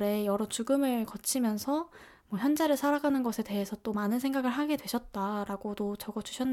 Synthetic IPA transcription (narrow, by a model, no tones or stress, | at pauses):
ɾe̞jʌɾʌt͡ɕuɡɯmɯɭkʌt͡ɕʰimjʌnsʰʌ | mwʌçjʌnd͡ʑaɾɯɭsʰaɾaɡanɯnɡʌsʰe̞de̞ɦesʰʌt͈omanɯnsʰe̞ŋɡaɡɯɭɦaɡe̞dwe̞ɕʰʌt̚t͈aɾaɡodot͡ɕʌɡʌd͡ʑu̥ɕʰʌnː